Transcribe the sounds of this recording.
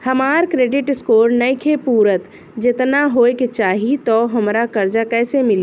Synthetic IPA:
həmaɾkɾeɖɪʈskoɾnəjkʰepuɾət̪ | d͡ʒet̪naɦoeket͡ʃaːɦit̪ɔɦəmɾakəɾd͡ʒakɛːsemɪli

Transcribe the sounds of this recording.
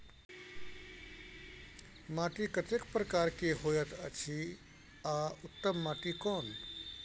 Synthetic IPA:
maːʈikət̪ekpɾəkaːɾkeɦoːjət̪ʰət͡ʃʰi | aʊt̪ːəmːaːʈikɔːn

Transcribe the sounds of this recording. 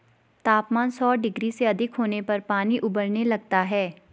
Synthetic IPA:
t̪aːpmaːnsɔːɖɪɡɾiseɐd̪ʱɪkɦoːnepɐɾpaːniʔʊbəɾnelɐɡ̚t̪aɦɛː

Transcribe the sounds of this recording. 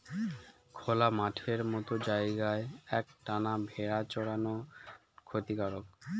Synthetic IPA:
kʰolamaʈʰeɾmɔt̪od͡ʑaeɡaeɛkʈanabʱeɾat͡ɕɔɽano | kʰot̪ikaɾok

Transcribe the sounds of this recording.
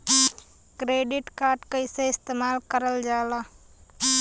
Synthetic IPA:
kɾeːɖɪʈkaːɾʈkəɪseɪst̪eːmaːlkəɾəld͡ʒaːela

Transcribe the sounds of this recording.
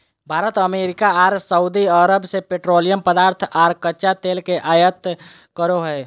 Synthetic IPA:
bʱaːɾət̪əmeɾikaaɾsəud̪iəɾəbsepeʈɾolijəmpəd̪aːɾt̪ʰaɾkətːʃat̪elkeʔajət̪ | kəɾoɦəe

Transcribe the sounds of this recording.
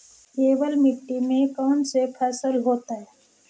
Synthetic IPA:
keːbəlmɪʈːimẽkɔʊnsepʰɛːsəlɦoːt̪aɦɛː

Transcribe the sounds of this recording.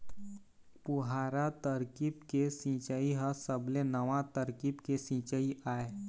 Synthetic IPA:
pʊɦaːɾat̪əɾkibkesĩːt͡ʃəiɦəsəblenəʋãt̪əɾkibkesĩt͡ʃəiʔaːeː

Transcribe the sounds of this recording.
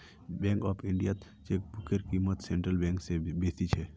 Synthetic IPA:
bɛ̃ːŋkɔːpʰɪ̃ɳɖija | t͡ʃeːk̚bʊkeɾkiːmət̪sẽːɳʈɾəlbɛ̃ːŋksebeːt̪it͡ʃʰɛ

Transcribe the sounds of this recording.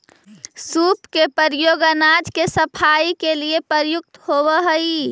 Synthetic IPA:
supkepəɾjoːɡənad͡ʒkesəpʰaikeliepəɾjʊk̚t̪ɦobəɦəi

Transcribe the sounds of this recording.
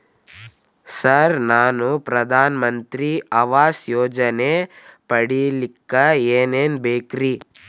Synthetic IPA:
sɐɾnaːnupɾɐd̪ʱaːnɐmɐnt̪ɾiɐʋaːsjoːd͡ʒɐnepɐɽilikːɐeːneːnbeːkɾi

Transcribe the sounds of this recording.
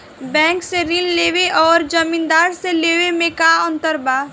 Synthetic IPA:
bɛ̃ːŋkseɾɪnleːʋeʔɔːɾd͡ʒɐmĩːnd̪aːɾseleːʋemẽkaːɔ̃nt̪əɾbaː

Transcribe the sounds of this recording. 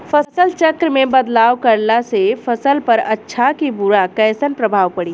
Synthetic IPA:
fʰɐsəlt͡ʃəkɾmẽbəd̪laːʋkɐɾlasefʰɐsəlpəɾɐtːʃʰakibuɾakɛːsənpɾəbʱaːʋpɐɽi

